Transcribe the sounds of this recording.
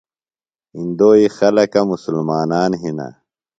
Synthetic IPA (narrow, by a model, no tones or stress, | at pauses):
ind̪oːixɐlɐkɐmusulmaːnaːnɦina̰